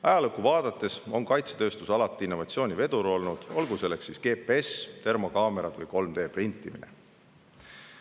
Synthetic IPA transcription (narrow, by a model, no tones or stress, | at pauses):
ɑjɑlɤkːˑuvɑːd̪̥ɑt̪ːˑe̞so̞ŋkɑjt̪se̥t̪øːst̪usɑlɑt̪ːˑiinːo̞vɑt̪sio̞ːnʲive̞d̪̥uɾo̞lnud̪̥o̞lɡuse̞lːeksːiske̞ːpeest̪e̞rmo̞kɑːme̞ɾɑt̪vɨjko̞lmd̪e̞ːprint̪ːˑiminḛ